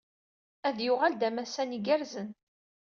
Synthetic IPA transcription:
æðjʊʁæld̪æmæsæniɡæɾzən

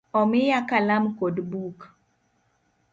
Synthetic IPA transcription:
ɔmɪjakalamkodbuk

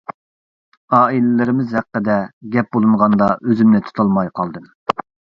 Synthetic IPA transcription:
ɑːilɪlɪɾɪmɪzhɛqːəd̪ɛɡʲɛp̚bolˠuɴʁɑnd̪ɑʔøzymnɛt̪ʰu̥t̪ʰɑlˠmɑjqʰɑlˠd̪ɨm

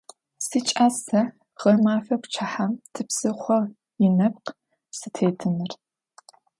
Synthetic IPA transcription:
sit͡ʃʼaːsɐ | ʁ̥ɐrmaːfɐkʷʊt͡ʃʰaħamtʰɨpsɨχʷɔʁ | jɪnɐp̚q | sɨtʰeːtʰɨnɨr

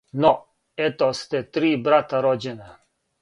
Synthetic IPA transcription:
nɔ | ɛt̪ost̪ɛt̪ɾiːbɾat̪aɾod͡ʑene

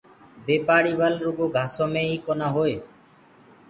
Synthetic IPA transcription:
beːpaːɽiːʋəlɾuɡoːɡʱaːsoːmẽːiːkonaːɦoːeː

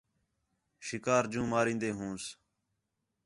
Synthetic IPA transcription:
ʃɪkaːɾd͡ʒũːmaːɾĩːnd̪eːɦũːs

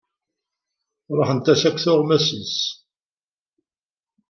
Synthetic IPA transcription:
ɾˤəħənt̪æʃækːθʊʁmæsəns

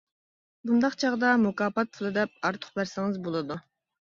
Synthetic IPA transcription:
bund̪ɑχt͡ʃʰɑʁd̪ɑmukɑːpɑt̪̚pʰulˠɨd̪ɛp̚ɑɾt̪ʰʊ̥χbæɾsɪŋɪzbolˠɨd̪u

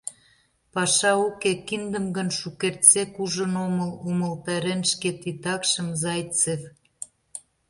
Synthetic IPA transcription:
pɑʃɑukekind̪ə̆mɡənʃukert͡sekuʒə̆noməlumə̆lt̪ɑɾenʃket̪it̪ɑkʃə̆mzɑjt͡sef

